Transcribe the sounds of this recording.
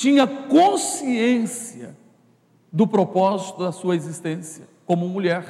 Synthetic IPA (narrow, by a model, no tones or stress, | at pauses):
t͡ʃĩɲɐkõsiẽsiɐ̰ | d̪ʊpɾopɔzit̪ʊd̪ɐsuɐezist̪ẽsjɐkõmʊmuʎɛɾ